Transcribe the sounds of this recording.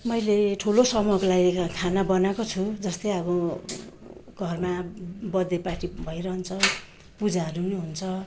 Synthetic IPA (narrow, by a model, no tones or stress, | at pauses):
mʌjleʈʰulosʌmʌʌkolaɡikʰanabʌnakot͡sʰud͡zʌst̪ʌjʌbʌ | ɡ̥ʱʌrmabʌd̪epaʈibʱʌjɾʌɦʌnt͡sʰʌ | pud͡zaʌɾuneɦunt͡sʰʌ